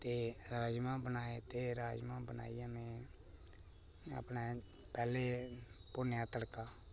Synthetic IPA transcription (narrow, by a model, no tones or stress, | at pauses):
t̪eːɾaːd͡ʒmãːbənaːeːt̪eːɾaːd͡ʒmãːbəna̰ːijãːnẽː | ə̰pneː | pɛːleːpʊnjãːt̪əɽkaː